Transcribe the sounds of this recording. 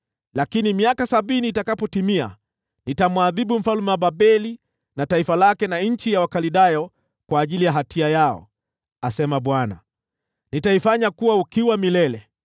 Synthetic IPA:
lakinimiakasaɓiniːtakapɔtimia̰ | nitamwaðiɓum̩falmɛwaɓaɓɛli | nataifalakɛnaɲ̩t͡ʃijawakaliɗajɔ | kwaːʄilijaɦatʰiajaɔ̰ | asɛmaɓwana̰ | nitaifaɲakuwaukiwamilɛlɛ

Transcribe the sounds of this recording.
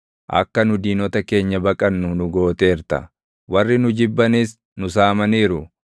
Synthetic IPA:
ʔɐ̰kːɐnʊd̪iːnɔt̪ɐke̞ːɲːɐbɐkʼɐnːʊnʊɡo̞ːt̪eːɾt̪ɐ̰ | wɐrːɪnʊd͡ʒɪbːɐnis | nʊsaːmɐniːɾʊ

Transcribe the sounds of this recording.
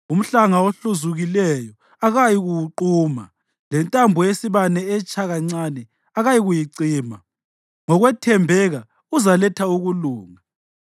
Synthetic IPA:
um̩ɬaŋaoɬuzuɣilɛjɔ | aɣajiɣuwuǃuːma̰ | lɛntʼambʱujesiβanɛɛt͡ʃʰʼaɣaŋ͡ǀanɛ | aɣajiɣujiǀiːma | ŋɔɣwɛtʰɛmbʱɛɣa | uzalɛtʰauɣuluːŋa

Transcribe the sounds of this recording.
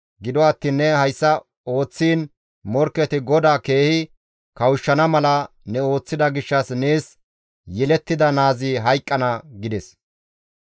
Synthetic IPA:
ɡɪd̪ɔɐt̪ːiːnːɛhɐjsːɐ | o̞ːt͡sːiːn | mɔɾkːɛt̪ɪɡɔd̪aːke̞ːhɪ | kɐwʊʃːɐnɐmɐlɐ | nɛo̞ːt͡sːɪd̪ɐɡɪʃːɐsneːs | jɛlɛt̪ːɪd̪ɐnaːziɦɐjkʼːɐnɐɡɪd̪ɛs

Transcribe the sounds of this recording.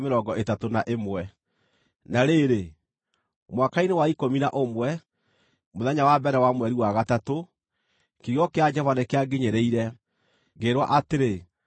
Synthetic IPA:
meɾɔɡɔʔetatonaʔemwɛ | naɾeɾe | mwakainewaikominaʔomwɛ | moðɛɲawabɛɾɛwamwɛɾiwaɣatato | kiɣiɔkead͡ʒɛvanekeaɡeɲeɾeiɾɛ | ɡeɾwa̰ʔateɾe

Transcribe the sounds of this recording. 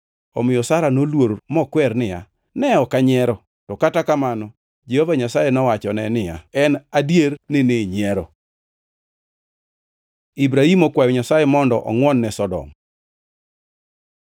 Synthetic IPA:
ɔmɪjɔsaɾanolwoɾmɔkwɛɾnɪja | nɛɔkaɲɛɾɔ | tɔkatakamanɔ | d͡ʒehovaɲasajenɔwat͡ʃɔnɛnɪja̰ɛnadjeɾnɪneɲɛɾɔ̰ | ibɾaimɔkwajɔɲasajɛmɔndɔʔɔ̰ŋwɔnːɛsɔdɔ̰m

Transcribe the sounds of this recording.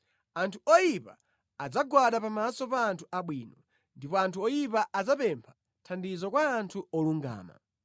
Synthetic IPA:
antʰuɔjipaː | d͡zaɡwaɗapamasɔpaːntʰuʔaɓwiːnɔ | ndipɔantʰuɔjipaʔad͡zapɛmpʰḁ | tʰandizɔkwaːntʰuɔluŋɡa̰ːma̰

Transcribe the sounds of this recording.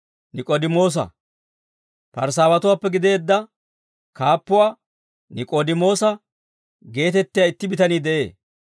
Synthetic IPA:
nɪkʼoːd̪ɪmo̞ːs̬ɐ̰ | pɐɾs̬aːwɐt̪ʊwaːpːɛɡɪd̪e̞ːd̪ːɐ | kaːpːʊwaː | nɪkʼoːd̪ɪmo̞ːsɐ | ɡe̞ːt̪ɛt̪ːɪjaɪt̪ːɪbɪt̪ɐniːd̪ɛʔe̞ː

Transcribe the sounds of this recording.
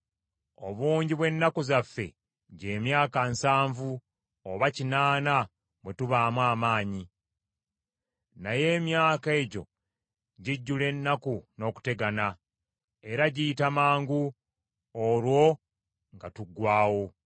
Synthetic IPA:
o̞̰βuːɲɟiβwe̞nːakuzafːe̞̰ | ɟe̞ːmjaːkansaːɱvu | oβacinaːna | βwe̞tuβaːmwaːmaːɲi | naje̞ːmjaːke̞ːɟo̞̰ | ɟiɟːule̞nːakuno̞ːku̥te̞ɡana | e̞ɾaɟiːtamaːŋɡu | olwo̞ | ŋɡatuɡwaːwo

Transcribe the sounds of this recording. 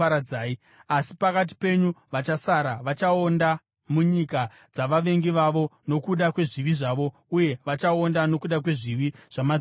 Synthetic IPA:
ɾad͡zaːi | asi̥pakat̬i̥pe̞ɲuʋat͡ʃasaɾaʋat͡ʃao̞nda | muɲika | d͡zaʋaʋe̞ŋɡiʋaʋo̞no̞kuɗakwe̞ʐiʋiʐaːʋo̞ | uje̞ʋat͡ʃao̞ndano̞kuɗakwe̞ʐiʋiʐ̥ama

